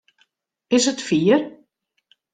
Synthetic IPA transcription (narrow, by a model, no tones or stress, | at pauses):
ɪsətfiər